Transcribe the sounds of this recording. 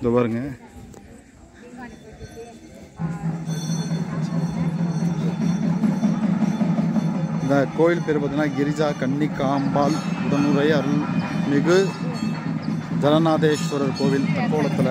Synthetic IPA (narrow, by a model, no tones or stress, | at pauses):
d̪ɔʋaːɾɯŋɡɐ | nd̪ɐkoːjɪlpɛɾɯbɐðɯnaːɡɪɾɪd͡ʒaːkɐɳːikaːmbaːlʊɽɐnɯɾɐjɐɾɯlmɪɣɯ | d͡ʒɐlɐnaːðeːspɐɾɐɾkoːʋɪlt̪ɐkːoːlɐt̪ːɪl